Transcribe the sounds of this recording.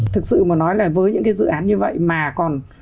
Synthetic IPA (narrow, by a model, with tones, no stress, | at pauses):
t̪ʰɨ˨˩k̚sɨ̰˧˨mɔː˨˦nɔ˨˦jlaː˨˩vəː˨˦jɲɨ̰˧˥ŋkaː˨˦jzɨ̰˧˨ʔaː˨˦nɲɨ˧və̰˧˨jmaː˨˩kɔ˨˩n